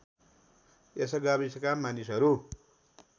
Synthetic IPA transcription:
esʌɡabiskamanisɦʌɾu

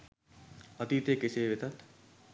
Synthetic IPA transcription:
ɐt̪iːt̪ekeseːʋet̪at̪

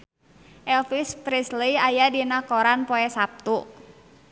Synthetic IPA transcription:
ʔɛlfispɾisliajadinakoɾanpoɛsap̚t̪u

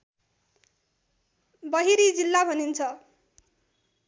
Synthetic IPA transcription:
bʌɦiɾid͡zilːabʱʌnint͡sʰʌ

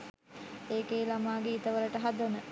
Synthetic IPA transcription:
eːkeːlamaːɡeit̪əʋələʈəɦad̪ənə

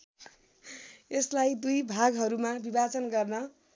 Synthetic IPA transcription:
eslajd̪ujbʱaɡɦʌɾumabibat͡sʌnɡʌrnʌ

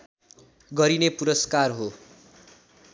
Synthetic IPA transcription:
ɡʌɾinepuɾʌskarɦo

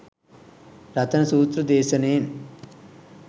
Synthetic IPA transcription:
ɾɐt̪ʰɐnɐsuːt̪ɾɐd̪ɛːsɐneːn

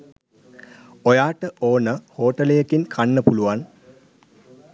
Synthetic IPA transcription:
ojaːʈəʔoːnəhoːʈəlejəkinkʰanːəpuluʋan

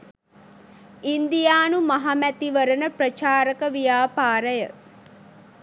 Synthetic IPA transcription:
ind̪ijaːnumaɦamæt̪iʋəɾənəprət͡ʃaːɾəkəʋijaːpaːɾəjə

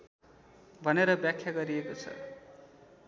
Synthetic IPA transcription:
bʱʌneɾʌbjakʰːjaɡʌɾiekot͡sʰʌ̰

